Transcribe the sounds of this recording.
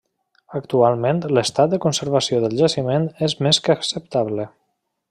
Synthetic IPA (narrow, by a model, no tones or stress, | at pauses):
əkt̪ualˠmẽnt̪ləst̪at̪̚d̪əkunsəɾβasioðəlˠʒəsimẽnezmeskəksəp̚t̪aβlə